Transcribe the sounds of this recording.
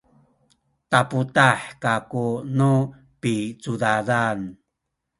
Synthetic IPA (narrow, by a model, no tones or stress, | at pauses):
taputaħkakunu | pit͡sudadan